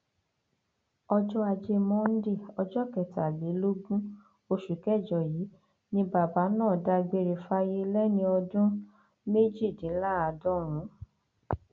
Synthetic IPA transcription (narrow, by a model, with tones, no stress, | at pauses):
ɔ˧d͡ʒɔ˦a˧d͡ʒe˧mɔ̃˦n̩˦de˦˨ɔ˧d͡ʒɔ˦kɛ˨ta˨le˨˦lo˦ɡũ˦ | o˧ʃu˨kɛ˦˨d͡ʒɔ˨jiː˨˦ | nĩ˧ba˨ba˨˦nãː˦˨da˧i˧ɡ͡be˧ɾe˨fa˧je˦lɛ˦nĩ˧ɔ˧dũ˦ | me˦d͡ʒi˦˨dĩ˨˦la˦a˧˨dɔ˦ɾ̃ũ˨˦